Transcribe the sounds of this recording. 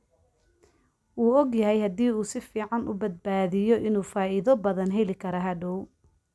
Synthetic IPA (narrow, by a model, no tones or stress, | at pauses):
ʔuːɔɡjɐɦɛjhɐd̪iːuːsɪfiːʕɑnʔʊ̰bɐd̪̚baːðɪjɔʔɪnuːfaːiðɔbɐðɐnɦɛlɪkʰɐɾɐɦɐɖɔw